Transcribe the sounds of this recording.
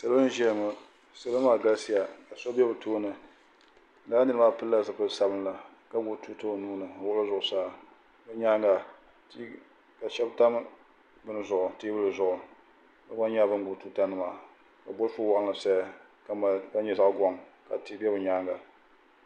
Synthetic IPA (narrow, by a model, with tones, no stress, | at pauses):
sa˦lʒɛ˦lŋʊ˦ | sa˦la˦maː˦˨ɡa˦lsi˦ja˨ka˨sɔ˦bɛ˦bɨ˨tʰoː˦nɨ˨˦ | laː˦nɨ˦nɨ˦ma˦pɨ˦lːa˦sɨ˦pɨ˦sa˦bɨ˦n˦la˨ | ka˦ɡu˨˦tu˦to˦˨nuː˦nɨ˨o˨wʊ˦la˦zʊ˨ʔʊ˨saː˦ | bɨ˦ɲaː˦ŋɡa˨˦ | ka˨ʃɛ˦bta˦m˦ | bɨ˦nɨ˦zʊ˨ʔʊ˨tiː˦bɨ˦lɨ˨zʊ˨ʔʊ˨ | ka˦ɡa˦ɲa˦bɨ˦n˦ɡʊ˨tu˦ta˦nɨ˨ma˨ | ka˨bʊ˦lfʊ˦wa˦ʔŋla˨sa˦ja˦ | ka˦ma˨ka˦ɲɛ˨za˦ʔɡʷɔ˨˦ŋka˨ti˦bɛ˦bɨ˨ɲaː˦ŋɡa˨